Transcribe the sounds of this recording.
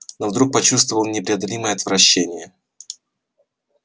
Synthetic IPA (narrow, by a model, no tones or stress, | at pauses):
novd̪ɾuk̚pɐt͡ɕus̬t̪vəvəlˠnʲɪpɾʲɪɐd̪ɐlʲiməjəɐt̪vɾɐɕːenʲɪjə